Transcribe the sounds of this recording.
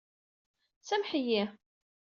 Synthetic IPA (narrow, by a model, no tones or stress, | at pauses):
sæmħəji